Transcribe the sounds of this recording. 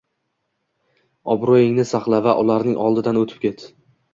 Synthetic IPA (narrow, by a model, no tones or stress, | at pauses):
ɒbɾojɪŋnɪsaχlˠavaʔʊlaɾnɪŋʔɒlˠd̪ɪd̪anɵt̪ʰɪ̥p̚kʲʰe̞t̪